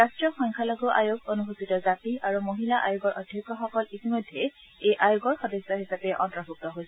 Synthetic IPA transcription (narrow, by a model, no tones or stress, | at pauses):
ɹastɹɔxɔŋkʰalɔɡɔʔa̰joɡonuɦusitɔzatiʔaɹumoɦilaʔa̰joɡɔɹʔɔdʱjɔkːɔxɔkɔlitimɔjdʱːɛ | ejʔajoɡɔɹxɔdesːɔɦisapɛʔɔ̰ntɹɔbʱuk̚tɔɦojsɛ